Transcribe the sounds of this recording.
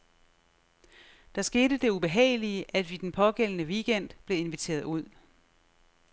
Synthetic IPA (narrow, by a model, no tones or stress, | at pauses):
d̥ɑ̈sɡ̥e̝ːdəd̥e̝ub̥e̝ɦɛ̰ːɪliəʔæd̥ʋid̥enpʰɒ̽ɡ̥el̰ənəʋiɡ̥en̰d̥b̥le̝e̝nʋit͡sʰe̝̰ːɐðˠuð̞̰ˠ